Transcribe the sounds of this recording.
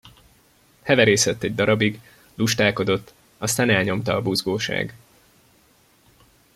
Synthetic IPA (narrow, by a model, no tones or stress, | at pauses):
hɛvɛɾeːsɛt̪ːɛɟ̚d̪ɒɾɒbiɡ | luʃt̪aːko̞d̪o̞t̪ː | ɒst̪aːnɛlɲo̞mt̪ɒːbuzɡoːʃa̰ːɡ